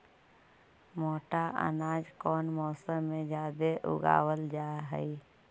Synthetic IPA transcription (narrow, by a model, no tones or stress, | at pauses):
moːʈaʔə̰naːd͡ʒkɔːnmɔːsəmːẽd͡ʒjaːd̪eʔʊ̰ɡa̰ːwəld͡ʒaːɦɛ̰i